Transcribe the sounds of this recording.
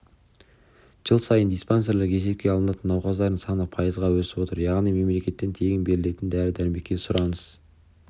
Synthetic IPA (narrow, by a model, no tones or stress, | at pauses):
ʒ̥əlˠsɑjənd̪ijspanseɾleɾkʲʰe̞se̞p̚kʲe̞ɑlˠənɑt̪ənːɑwqɑzd̪ɑɾəɴsɑnəpʰɑjəzʁɑwɵsɪbo̞t̪əɾjɑʁnijme̞mle̞kʲe̞t̪ːe̞nt̪ʰe̞ɡʲɪnbe̞ɾɪle̞t̪ɪnd̪æɾɪd̪æɾme̞kʲːe̞sʊɾɑnəz̥